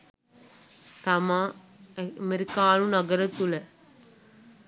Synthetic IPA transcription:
t̪ɐmãː | mɛɾɪkːaːlũnɐɡɐɾɐt̪ːulɐ

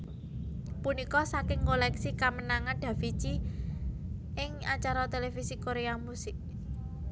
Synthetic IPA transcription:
punikɔsakɪŋkolɛksikamənaŋaɖ̥a̤fi̥t͡ʃi | ʔɪŋat͡ʃaɾɔt̪elefisikoɾeamusɪk̚

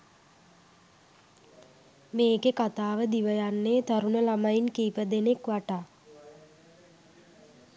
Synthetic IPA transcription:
meːkekat̪aːʋəd̪iʋəjanːeːt̪aɾunəlamainkiːpəd̪enekʋaʈaː

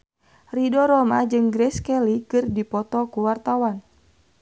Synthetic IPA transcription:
ridɔɾɔmad͡ʒɨŋɡɾɛskɛlikɨrdipɔt̪ɔkuwart̪awan

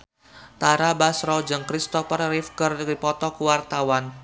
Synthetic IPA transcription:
t̪aɾabasɾɔd͡ʒɨŋkɾist̪ɔfərɾifkərdkipɔt̪ɔkuwart̪awan

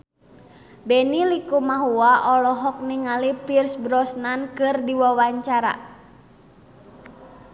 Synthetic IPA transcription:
bɛnilikumaɦuaʔɔlɔɦɔk̚niŋalipirsbɾɔsnankɨrdiwawaɲt͡ʃaɾa̰

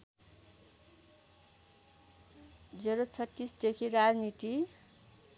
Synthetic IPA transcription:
d͡zeɾot͡sʰʌtːisd̪ekʰiɾad͡znit̪i

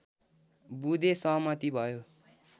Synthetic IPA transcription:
bud̪ʱesʌɦmʌt̪ibʱʌjo

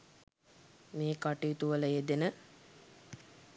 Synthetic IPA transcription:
meːkaʈiit̪uʋələed̪enə

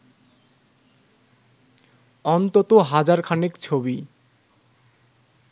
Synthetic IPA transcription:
ɔnt̪ot̪oɦad͡ʑaɾkʰanekt͡ɕʰobi

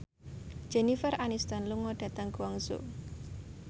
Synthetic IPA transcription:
d͡ʒ̥ɛnifəɾʔanist̪ɔnluŋɔɖ̥a̤t̪aŋkuwaŋso̰

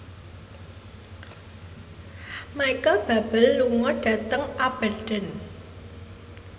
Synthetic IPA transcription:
majkəlb̥a̤b̥əlːuŋɔɖ̥a̤t̪əŋab̥aɖ̥ə̤n

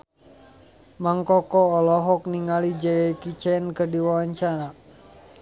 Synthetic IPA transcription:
maŋkɔkɔːlɔɦɔk̚niŋalid͡ʒajajkit͡ʃɛnkɨrdiwawaɲt͡ʃaɾa

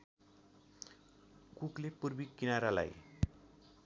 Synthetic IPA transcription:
kuklepurbikːinaɾala̰j

